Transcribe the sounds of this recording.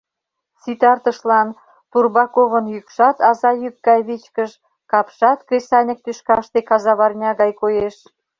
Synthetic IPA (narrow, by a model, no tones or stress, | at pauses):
sit̪ɑrt̪əʃlɑn | t̪urβɑkoβənjykʃɑt̪ɑzɑjyk̚ɡɑjβit͡ɕkəʃ | kɑpʃɑt̪kesɑnʲə̆k̚t̪yʃkɑʃt̪ekɑzɑβɑrnʲɑɣɑjkojeʃ